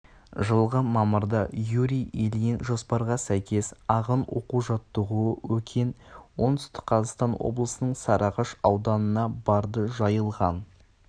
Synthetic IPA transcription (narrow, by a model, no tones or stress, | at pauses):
ʒəlˠʁəmɑməɾd̪ɑjuɾijelijɪnʒo̞spɑɾʁɑsæjkʲe̞sɑʁənwo̞̰quʒɑt̪ːəʁuəwɵkʲʰenwo̞nt̪ʏ̥st̪ɪ̥qqʰɑzɑqst̪ɑnwo̞̰blˠəsənəɴsɑɾʔɑʁɑʃɑwd̪ɑnənɑbɑɾd̪əʒɑjəlˠʁɑn